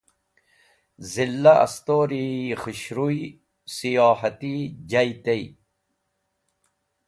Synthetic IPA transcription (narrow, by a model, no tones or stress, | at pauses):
zilːɐɐ̰st̪oːɾixiɕɾuj | sijɑːħɐt̪id͡ʑɐjt̪ej